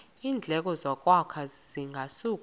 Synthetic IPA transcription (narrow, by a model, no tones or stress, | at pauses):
iːnd͡ɮʱɛk̬ʼɔzɔk̬ʼwakʰaz̥iŋʱasuːk̬ʼ